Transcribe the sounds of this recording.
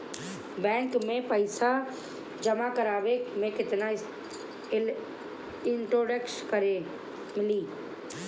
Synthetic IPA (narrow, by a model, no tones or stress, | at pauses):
bɛ̃ːŋkmẽpəɪsa | d͡ʒəmakəɾaːʋemẽkɪt̪naɪ | ɪɳʈɾoːɖekskəɾe | mɪliː